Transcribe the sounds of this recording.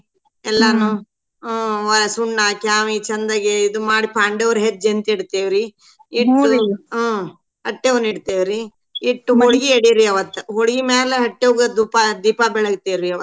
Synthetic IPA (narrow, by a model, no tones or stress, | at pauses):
ɛlːɐnu | ʋɐɾɐsuɳːaːkjaːmit͡ʃɐnd̪ɐɡeid̪umaːɽipaːɳɖeʋɐɾɦet̪̚ːd͡ʒent̪iɽt̪eːʋiɾi | iʈːu | ɦɐʈːeʋuniɽt̪eːʋiɾi | iʈːuɦoɽiɡieɽiɾiɐʋɐt̪ːuɦoɽɡimeːleɦɐʈːeʋuɡɐd̪uːpad̪iːpabɛɭɐɡt̪eːɾiɐʋɐ